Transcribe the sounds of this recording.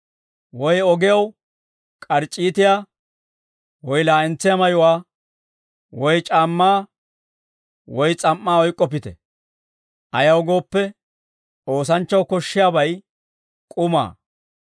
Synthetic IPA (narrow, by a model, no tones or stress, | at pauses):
wɔjɔɡɪjɐw | kʼɐɾt͡ʃʼːiːt̪ɪjaː | wɔjlaːɪnt͡sːɪjamɐjʊwaː | wɔjt͡ʃʼaːmːaː | wɔjt͡sʼɐmːaːɔjkʼːɔp̬ɪt̪ɛ̰ | ʔɐjɐwɡo̞ːpːɛ | o̞ːs̬ɐnt͡ʃːɐwkɔʃːɪjabɐj | kʼʊma̰ː